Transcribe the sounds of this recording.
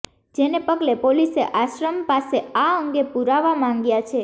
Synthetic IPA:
d͡ʒenepəɡlepoliseʔaʃɾəmpaseaəŋɡepuɾaʋamãŋɡjat͡ʃʰe

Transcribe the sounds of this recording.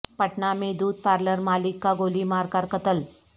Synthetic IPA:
pəʈnamed̪uːd̪̚paɾləɾmalikːaɡolimaɾkaɾkət̪əl

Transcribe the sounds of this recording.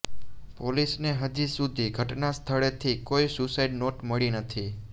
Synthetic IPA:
polisneɦəd͡ʒisud̪ʱiɡʱəʈnast̪ʰəɭet̪ʰikojsusaiɖnoʈməɭinət̪ʰi

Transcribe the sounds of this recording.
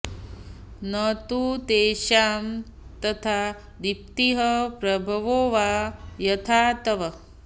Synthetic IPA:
nɐt̪ut̪eːʃaːm | t̪ɐt̪ʰaː | d̪ip̚t̪iɦɐpɾɐbʱɐʋoːʋaːjɐt̪ʰaːt̪ɐʋɐ

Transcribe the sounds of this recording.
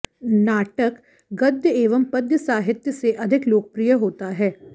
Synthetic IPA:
naːʈək | ɡɐd̪ʱjəeːʋəmpɐd̪jəsaːɦɪt̪jəseʔɐd̪ʱɪkloːkəpɾijəɦoːt̪aɦɛː

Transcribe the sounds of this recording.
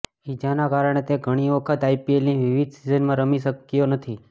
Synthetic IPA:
id͡ʒanakaɾəɳ̃et̪eɡʱəɽ̃iʋəkʰət̪ajpielniʋiʋid̪sizənmãɾəmiʃəkːjonət̪ʰi

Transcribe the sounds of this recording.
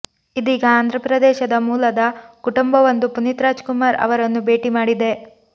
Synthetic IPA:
id̪iːɡɐaːnd̪ɾɐpɾɐd̪ɛːʃɐd̪ɐmuːlɐd̪ɐkuʈumbɐʋɐnd̪upunit̪ɾaːd͡ʒkumaːɾɐ̰ʋɐɾɐnːube̞ːʈimaːɽid̪e̞

